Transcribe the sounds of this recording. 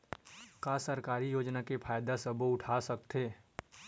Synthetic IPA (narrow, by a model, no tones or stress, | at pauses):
kaːsɐɾkaːɾijoːd͡ʒnakepʰaːjd̪asəboʊʈʰaːsɐkt̪eː